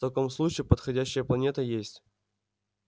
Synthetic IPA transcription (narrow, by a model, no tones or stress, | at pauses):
t̪ɐkomslˠut͡ɕɪːpət̪xɐdʲæɕːɪjəplˠɐnʲet̪əjesʲtʲ